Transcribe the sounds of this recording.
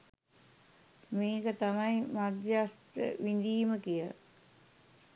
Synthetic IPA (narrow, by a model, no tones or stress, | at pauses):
miːkət̪amaimad̪jast̪ə̰ʋind̪iːməkijəl̰